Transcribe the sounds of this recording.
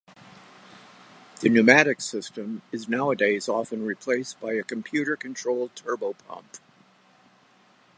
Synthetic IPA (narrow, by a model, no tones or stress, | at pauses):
ðɨnɨmæɾɨksɪstɨ̃mɨznaʊədeɪzɔfɨ̃nɹipʰl̥eɪsb̥aɪɨkm̩pʰj̥ʉɾə˞kʰɨ̃ntʰɹ̥oʊlˠd̚tʰɜ˞boʊpʰʌ̰̃mp